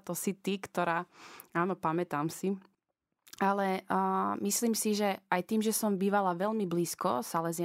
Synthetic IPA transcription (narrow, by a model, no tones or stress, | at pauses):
t̪ɔsit̪ikt̪ɔɾaːaːnɔpamɛt̪aːmsi | alɛmisliːmsiʒɛʔajt̪iːmʒɛsɔmbiːʋalaʋɛlmibliːskɔ̰salɛzɪ